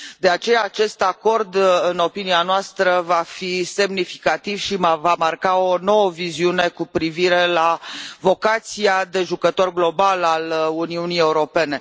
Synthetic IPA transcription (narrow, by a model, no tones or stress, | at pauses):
d̪e̞at͡ʃe̞jaːt͡ʃe̞st̪ako̞rd̪ɨno̞pinianoast̪ɾəvafise̞mnifikat̪ivʃimavamarkao̞no̞wəviziune̞kupɾiviɾe̞lavo̞kat̪siad̪e̞ʒukət̪o̞rɡlo̞balaluniunije̞uɾo̞pe̞ne̞